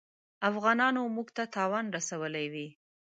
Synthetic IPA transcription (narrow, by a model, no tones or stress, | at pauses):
afɣɑnɑnomuɡt̪at̪ɑwanɾasawəlajwi